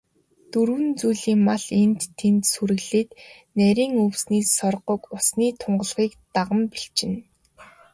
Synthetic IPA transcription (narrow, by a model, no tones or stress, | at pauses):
t̪ɵɾwɘ̆nt͡sujɮiːŋmaɮent̪ʰːent̪suɾɘ̆ɣɮɘ̆ːt̪ | næɾʲiːŋɵwsniːsːɔrɢɞ̆kʊsniːt̪ʰʊɴɢə̆ɮχiːkt̪aʁə̆mpiɬt͡ɕɪ̆n